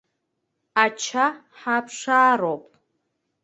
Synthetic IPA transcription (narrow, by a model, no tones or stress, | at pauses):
at͡ʃʰa | ħapʰʂaːɾopʼ